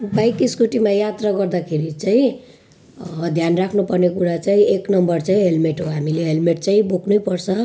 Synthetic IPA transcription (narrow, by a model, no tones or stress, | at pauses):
bajkiskuʈimajat̪raɡʌrd̪akʰeɾit͡saĩ | d̪ʱjanrakʰnupʌrnekuɾat͡saĩeknʌmbʌrt͡saĩɦelmeʈɦoɦamileɦelmeʈt͡saĩboknujpʌrt͡sʰʌ